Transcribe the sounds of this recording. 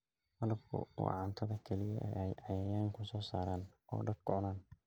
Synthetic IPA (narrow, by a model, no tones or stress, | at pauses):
hɐðɐbkʰʊ̰ṵʕɑnt̪ʰɐðɐkʰɛlɪjɐʔɛ̰ːʔɛjʔɑjaːjaːŋkʰʊsɔːsaːɾaːnʔɔ̰ːɖɐd̪̚kʰʊʕʊnaːn